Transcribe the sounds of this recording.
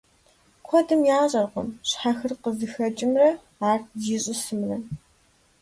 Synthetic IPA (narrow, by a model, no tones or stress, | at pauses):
kʷʰɔdɨmjaːɕʼɐrqʷɔ̰mɕħaxɨrqəzɨxɐt͡ʃʼɪmrɐ | aːrziːɕʼɪsɨmrɐ